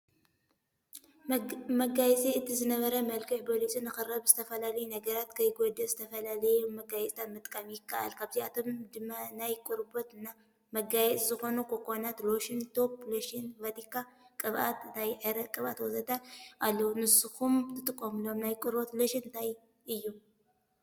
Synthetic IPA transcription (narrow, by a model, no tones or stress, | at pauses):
mɐɡajɛt͡sʼiɨt̪ʰizɨnɐβɐɾɐmɐlkʰɨħbʰolisʼinɨxɨɾɐβzɨt̪ʰɐfɐlalɐjunɐɡɐɾat̪kʰɐjɡod̪ɐzɨt̪ʰɐfɐlalɐjumɐɡajɛt͡sʼt̪ʰat̪mɨt̪ʼkʼamjɪkːaʔa̰lkʰaβt̪ʰiat̪ʰo̞md̪ɨmːanajkʼuɾbot̪na | mɐɡajɛt͡sʼzɨxo̞nukʰokʼonat̪loʃɪnt̪ʰo̞ploʃɪnvɐt̪ʰikʰakʼɨβʔa̰t̪nt̪ʰajʕɨɾɐkʼɨβa̰t̪wɐzɐt̪ʰaʔalːɐwunɨsukumt̪ʰɨt̪ʼɨkʼːomlomnajkʼuɾbot̪loʃɪɨnt̪ʰaj | ʔɨjːu